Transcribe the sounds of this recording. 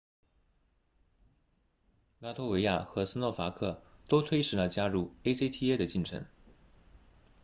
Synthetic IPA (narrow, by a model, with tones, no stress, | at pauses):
la˥t̪ʰo˥we˧˥ɪja˥˩xɤ˧˥s̩˥lɔ˥˩fa˧˥kʰɤ˥˩t̪o˥ʊt̪ʰwe˥ɪʂɻ̩˧˥lə˧t͡ɕja˥ɻu˥˩e˥si˥t̪ʰi˥e˥d̪ə˨t͡ɕi˥˩nʈ͡ʂʰɤ̰˧˥ŋ